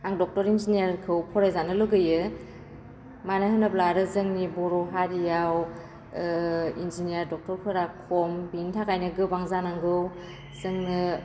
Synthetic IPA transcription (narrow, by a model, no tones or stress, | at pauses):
aŋdɔk̚tɔɾinzinijaɾkʰɯwpʰɔɾajzanɯlɯɡɯjɯ | manɯɦɯnɯp̚laɾɯzɯŋnibɔɾɔɦaɾijaw | ḭnzinijaɾdɔk̚tɔɾpʰɯɾakʰɔmbintʰakʰajnɯɡɯbaŋzanaŋɡɯw | zɯŋnɯ